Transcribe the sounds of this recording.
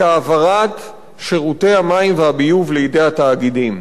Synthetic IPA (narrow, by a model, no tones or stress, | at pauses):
aːvaʁat̪ | ʃeʁute̞jhamaimvehabijuvleide̞jataːɡidim